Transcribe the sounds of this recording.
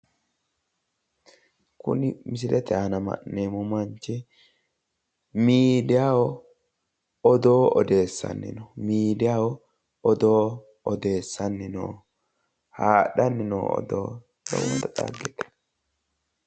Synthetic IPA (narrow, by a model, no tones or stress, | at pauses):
kʊ̰nɪmɪs̬ɪlɛt̪ɛanɐmɐ̰ʔnːeːmʊmɐɲt͡ʃːɛ | miːd̪ɪjaːwɔ | ɔd̪o̞ːɔd̪e̞ːsːɐ̰nːɪ̰nɔmiːd̪ɪjaːwɔ | ɔd̪o̞ː | ɔd̪e̞ːsːɐnːɪno̰ː | haːɗɐnːɪno̰ːɔ̰d̪o̰ː | dɔ̰wɔt̪ːɐt̪ʼa̰ːɡɛt̪ɛ̥